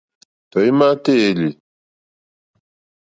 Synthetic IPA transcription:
tɔ˨i˦ma˦te˦e˨˦li˨

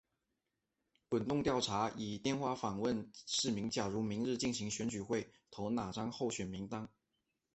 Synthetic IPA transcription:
kwə˨˩nt̪ʊ˥˧ŋt̪jɑ˥˩ʊʈ͡ʂʰa˧˥i˨˩t̪jɛ˥˧nxwa˥˩fɑ˨˩ŋwə˥˧nʂɻ̩˥˩mi˧˥ŋt͡ɕja˨˩ɻu˧˥mi˧˥ŋɻɻ̩˥˧t͡ɕi˥˩nɕi˧˥ŋɕɥɛ˧˥nt͡ɕy˨˩xwe˥˩ɪt̪ʰo˧˥ʊna˨˩ʈ͡ʂɑ˥ŋxo˥˩ʊɕɥɛ˨˩nmi˧˥ŋt̪ɑ˥ŋ

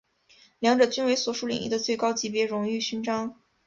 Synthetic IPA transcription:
ljɑ˧˥ŋʈ͡ʂɤ˨˩t͡ɕy˥nwe˧˥ɪswɔ˨˧˥ʂu˥lḭ˨˩ŋʔḭ˥d̪ə˨˧t͡swe˥˩ɪkɑ˥ʊt͡ɕi˧˥pjɛ˧˥ɻʊ˧˥ŋy˥˩ɕy˥nʈ͡ʂɑ˥ŋ

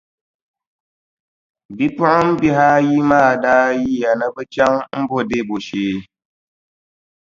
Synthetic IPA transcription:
bi˦pu˦a˦m̩˦bi˦ɦa˦ji˦maː˦˨da˦ji˦ja˨nə˦bə˦t͡ʃa˦ŋm̩˦bo˦de˦˨bo˨ʃeː˨

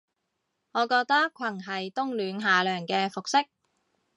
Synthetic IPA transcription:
ŋɔː˨˧kɔː˧k̚t̪ɐ˥kkʷʰɐ˨˩ŋɦɐ˨jt̪ʊ˥ŋlyː˨˧nɦaː˨lœː˨˩ŋkɛː˧fʊ˨k̚sɪ˥k̚

